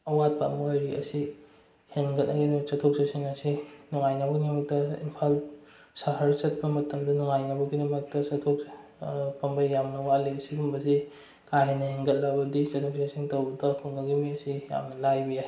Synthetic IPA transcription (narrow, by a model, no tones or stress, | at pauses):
ɐwat̚pɐmojɾiʔɐ̰si | heŋɡɐt̚nɐɡinmɐk̚sɐtʰok̚sasiŋɐsinuŋajnɐbɐɡimɐk̚tɐḭmpʰal | sɐɦɐɾt͡ʃɐt̚pɐmɐtɐmdɐnuŋajnɐbɐɡinɐmɐk̚tɐsɐtʰok | pɐmbɐjjamnɐwaliɐsiɡumbɐsi | kaɦenɐheŋɡɐt̚lɐbɐdit͡ʃɐtʰok̚sasiŋtɐwbɐdɐkʰuŋɡɐɡimiɐsija̰mnɐlajbija